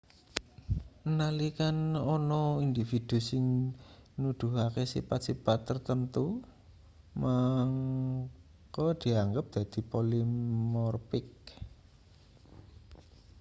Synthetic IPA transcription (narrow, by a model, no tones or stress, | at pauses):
nalikanɔnɔind̪ifid̪̥ṳsɪŋ | nud̪̥ṳɦakesḭpat̪̚sipat̪ːərt̪ənt̪u | maŋ | kɔd̪̥i̤aŋɡəp̚d̪̥ä̤d̪̥i̤polimmɔrpɪk̚